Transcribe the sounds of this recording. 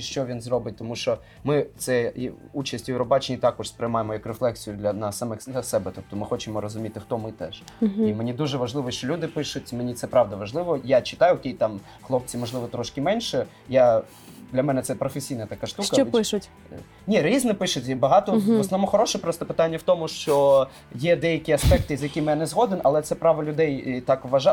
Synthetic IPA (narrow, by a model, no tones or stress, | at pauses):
ʃt͡ʃɔʋʲinzɾɔbɪt̚ʲt̪ɔmuʃt͡ʃɔ | mɪt̪sɛ | ut͡ʃɐsʲtʲjewɾɔbɑt͡ʃɪnʲit̪ɑkɔʃspɾʲɪjmɑjemɔjɐkreflˠɛksʲijʊd̪lʲɐnɑsːɐmɛxsɐsɛbɛt̪up̚t̪ɔmɪxɔt͡ʃɪmɔɾɔzʊmʲit̪ɪxt̪ɔmɪt̪ɛʃimenʲid̪uʒɛʋɐʒlˠɪʋɔʃt͡ʃɔlʲud̪ɪpɪʃʊtʲmenʲit̪sɛpɾɑʋd̪ɐʋɐʒlˠɪʋɔjat͡ʃɪ̥t̪ɑjʊkʲejt̪ɑm | xlˠɔp̚t͡sʲimɔʒlˠɪʋɔt̪ɾɔʃkɪmɛnʲʃɛ | ja | d̪lʲɐmɛnɛt̪sɛpɾɔfesʲijnɐt̪ɐkaʃt̪uʃkɐɔpɪʃʊtʲ | nʲiɾʲiznɪpɪʃʊtʲbɐɦɑt̪ɔɔsnɔʋmɔxɔɾɔʃɛpɾɔst̪ɔpɪt̪ɑnʲːɐwt̪ɔmʊʃt͡ʃɔ | jɛd̪ɛjɐkʲiɐspɛk̚t̪ɪizʲjɐkʲimjanezɦɔd̪ɪnɐlˠɛt̪sɛpɾɑʋɐlʲʊd̪ɛjt̪ɑkʋʋɐʒɑ